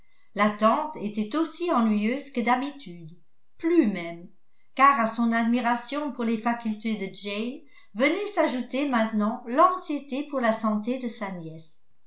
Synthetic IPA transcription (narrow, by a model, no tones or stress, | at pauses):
lat̪ɑ̃t̪et̪ɛt̪osiɑ̃nɥijøːzkəd̪abit̪yd̪ | plymɛm | kaːʁasɔ̃nad̪miʁasjɔ̃puʁlefakʲylt̪ed̪əd͡ʒɛjl | vənɛsaʒut̪emɛ̃t̪nɑ̃lɑ̃ksjet̪epuʁlasɑ̃t̪ed̪əsanjɛs